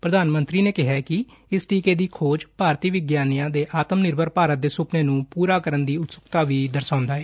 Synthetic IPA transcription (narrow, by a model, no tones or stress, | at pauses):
pɾəd̪aːnmənt̪ɾiːneːkɪɦaːkɪ | ɪsʈiːkeːd̪iːkʰoːd͡ʒpaːɾt̪iːʋɪɡjaːnijãːd̪eːʔaːt̪əmnɪɾbəɾpaːɾət̪̚d̪eːsʊpneːnũːpuːɾaːkəɾənd̪iːʊt̪sʊkt̪aːʋiːd̪əɾsãːʊ̃nd̪aːɛː